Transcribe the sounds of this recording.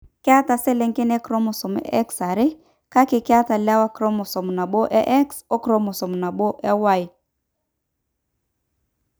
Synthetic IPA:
ka˦ta˨sɛ˦lɛ˨˦ŋke˦nɛ˦kɾo˦mɔ˨sɔ˨mɛ̰˦ɛ˦ksa˨ɾe˦ | ka˦kɪ˨kɪ˦a˦ta˨la˦wa˦kɾɔ˦mɔ˨sɔ˨m˨na˨ɓo˦ʔɛ˦ʔɛ˦kso˦kɾo˦mɔ˨sɔ˨m˨na˨bo˦ʔɛ˦wa˦˨j

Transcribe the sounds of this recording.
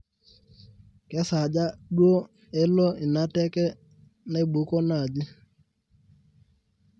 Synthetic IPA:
kɛ˦sa˨d͡ʒa˦ɗwo˦ | e˦lɔ˦ɪ˨na˦tɛ˦kɛ˦ | ne˦bu˨˦kɔ˦na˦˨d͡ʒi˦

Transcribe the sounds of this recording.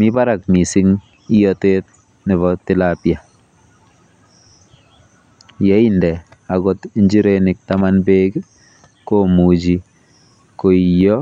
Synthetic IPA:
mi˦ba˦ɾa˨k̚mi˨si˦ŋ | i˦jɔte˦t̚ | nɪ˨βɔtɪ˦lapja˨ | jɛ˦i˦ndɛ˨a˨ɡo˦tiɲd͡ʒi˦ɾeni˨k̚tamanbe˦k | ko˦mu˨d͡ʒi˨ | ko˨i˨jɔ˦

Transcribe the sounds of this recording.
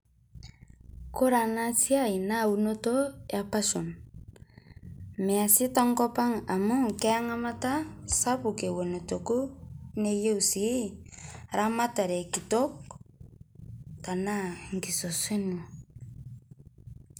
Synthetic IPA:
ko˦ɾa˨na˦t͡si˦a˦i˨na˦˨u˨no˦to˦ja˨pa˦ʃo˨n | mɛ˨a˨si˦ta˦ŋkɔ˦pa˦ŋa˨mu˦ŋkɛ˦a˦ŋa˦ma˦ta˦sa˦pu˨ke˨wo˨no˨to˨ku˦ne˦je˦u˨si˦ | ɾa˦ma˦ta˨ɾɛ˨ki˨tɔ˦k̚ | ta˨na˦ŋ˨ki˨so˨swe˦nu˨

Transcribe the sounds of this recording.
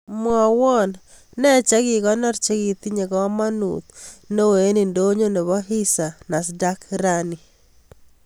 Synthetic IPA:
mwɔ˨wɔ˦n | nɛ˦t͡ʃɛ˦ɡi˨ɣɔ˦nɔ˦ɾt͡ʃe˦ɡi˨t̪i˦ɲe˨kɔ˦ma˦nṵ˨t̪no˦we˨˦ni˨ndo˦ɲo˦ne˨βɔ˦ɦi˦sa˨na˨s̬da˦kɾani˨

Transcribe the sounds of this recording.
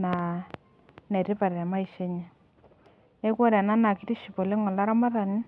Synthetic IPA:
na˨ | nɛ˨ɾɪ˦pa˨ɾɛ˨ma˦i˨ʃe˦ɲɛ˨ | e˦kɔ˦ɾɛ˨na˦na˨ki˦ti˦ʃi˨po˨le˦ŋɔ˨la˦ɾa˦ma˦ða˨nɪ˦

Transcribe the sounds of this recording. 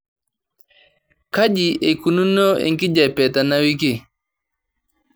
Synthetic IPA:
ka˦ʄi˨ʔe˨ku˨nu˦no˦ḛ˨ŋki˦d͡ʒa˨pɛ˨ta˨na˦wi˦k̬i˦˨

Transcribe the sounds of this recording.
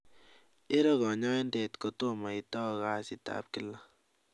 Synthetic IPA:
e˦ɾɔ˦ɣɔ˨ɲɔ˦e˦nde˨tko˦to˦ma˨i˨tɔ˦˨ɣa˦sɪ˨˦ta̰p̚kɪ˦la˦

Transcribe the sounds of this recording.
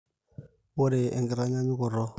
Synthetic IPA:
wo˦ɾe˨ḛ˨ŋɡɪ˨ɾa˦ɲa˦ɲu˦kɔ˨ɾɔ˦

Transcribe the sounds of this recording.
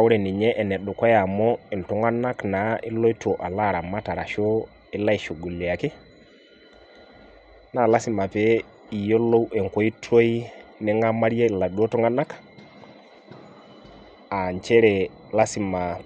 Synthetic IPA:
a˦wʊ˦ɾɛ˨ni˨ɲɛ˦ʔɛ˨nɛ˨ɗʊ˨kɔ˦ja˨mɔ˦ɪ˨ntu˨˦ŋa˦na˦kna˨˦ʔɪ˦lo˦i˦twɔ˨ʔa˨la˦˨ɾa˨ma˦ta˨ɾa˨ʃo˦ | ɪ˦la˦i˨ʃu˨ɡu˨li˨a˨kɪ˦ | na˨la˦si˨ma˨pɛ˨˦ | i˨jo˦lo˦wʔɛ˨ŋko˦i˦tʰo˦i˦nɪ˦ŋa˦ma˦ɾi˦a˦ɪ˨la˨ɗo˦tu˦ŋa˦na˦k | a˨ɲt͡ʃɛ˦ɾɛ˨ | la˦si˨ma˨

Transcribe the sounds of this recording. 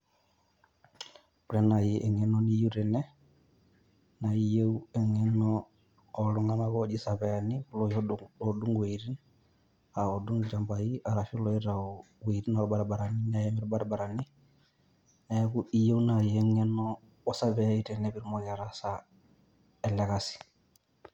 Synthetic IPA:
pɾɛ˦na˨jɛʔɛ˨ŋɛnɔni˦ju˦ɾɛ˨nɛ˦ | naijeuɛ˨ŋɛnɔː | luŋa˦nakɔd͡ʒisa˨βɛanipulɔjɔɔdu˦ŋwe˨ɾi˦n | a˨ɔdu˦ŋd͡ʒa˨mba˨iʔa˨ɾa˨fi˦lɔ˦i˦ɾa˨ɔ | we˨ɾi˦na˨ɾba˨ɾbaɾa˨nina˨jɛmi˦ɾba˦ɾba˨ɾa˨ni˦ | na˦ku˦i˦je˦una˨jɛŋɛ˦nɔ | ɔ˦sa˦βɛa˦i˦tɛnɛpi˦ɾmɔka˨ɾasa | ɛ˨lɛ˨kasi̥˨

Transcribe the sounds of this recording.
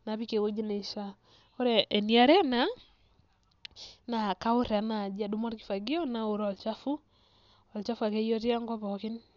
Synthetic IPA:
na˨bi˦ke˨wo˦d͡ʒi˦ne˨i˨ʃa˦ | o˦ɾɛ˨ʔːnia˦ɾɛ˦na˦ | na˨ka˦ʊ˦ɾa˨na˨d͡ʒa˨du˦ma˦tkɪ̥˦fa˨ɡi˦ɔ˦na˨o˨ɾɔ˨lt͡ʃa˦fu˦ | ɔ˨lt͡ʃa˦fu˦a˨ke˦jɔ˦ti˦a˦ŋɡɔ˦pɔ˨kɪ˦n

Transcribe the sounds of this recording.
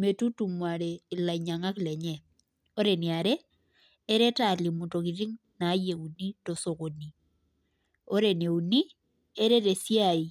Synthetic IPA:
me˨tu˦tu˨mwa˨ɾeː˨la˨i˨ɲa˨ŋa˦klɛ˨ɲɛ˦ | o˦ɾe˨ni˨a˨ɾeː˦ | ɾe˦ta˦˨li˨mu˨to˨ki˨ɾi˦ŋ | na˨˦je˨u˨ni˦to˨so˨ko˨ni˨ | o˦ɾe˨ne˨u˨ni˦ | e˦ɾe˦ɾe˨sja˨i˨

